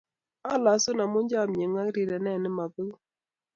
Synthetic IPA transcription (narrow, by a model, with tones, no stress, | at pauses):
a˦la˨sʊ˦na˨mʊ˦d͡ʒa˦˨mɲe˨ŋa˦ɾi˨ɾɛ˨nɛ˦˨nɪ˦ma˨bɪ˦l